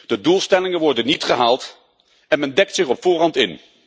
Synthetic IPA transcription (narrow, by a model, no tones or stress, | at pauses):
d̥ədulˠstɛlɪŋənʋɔɹdənitχəɦaːlˠt | ɛnmɛndɛk̚tsɪχɔpfʊːrɑntɪn